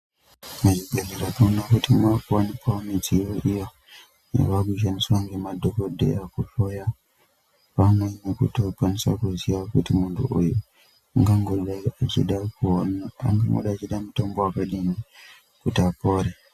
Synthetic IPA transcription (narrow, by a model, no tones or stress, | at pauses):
mad͡ʒiɡeliɾatonakutimakuwanipʰamet͡ʃiwoʔijo | nḛʋakuʃ̬anisuaŋɡemadokodḛjakupoja | pamweɲekṵtopanisa̰kuziakutimundṵʔṵju | ŋɡaŋɡoɗaat͡ʃḭɗakuna̰ŋɡa̰ŋɡo̰ɗat͡ʃiɗamutombɔakaɗini | kutapoɾe